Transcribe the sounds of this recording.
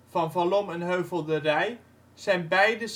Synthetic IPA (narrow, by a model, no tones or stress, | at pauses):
v̥ɑnvalɔmɛnɦøɥvəlˠdərɛj | z̥ɛjnbɛjdəs